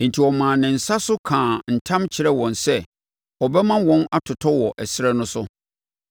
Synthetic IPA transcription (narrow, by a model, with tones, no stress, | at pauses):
n̩˨tʰi˨ɔ˨mãː˨nɪ̃˨n̩˨sa˦sʊ˦kʰãː˨n̩˨tʰã˦mt͡ɕʰɪ˨ɾɛ˦wɔ̃˨nsɛ˦ | ɔ˨bɛ˦mã˦wɔ̃˦na˦tʰʊ˨tʰɔ˦wɔ˨ʔɛ˨sɪ˦ɾɛ˦nʊ̃˦sʊ˦